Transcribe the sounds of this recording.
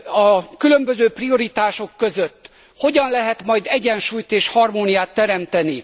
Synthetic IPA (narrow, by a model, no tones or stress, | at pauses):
ɒkylø̞mbøzøːprio̞ɾit̪aːʃo̞kːøzøt̪ː | ho̞ɟɒnlɛɦɛt̪mɒjd̪ɛɟɛnʃuːjt̪eːʃhɒrmoːnijaːt̪ːɛɾɛmt̪ɛni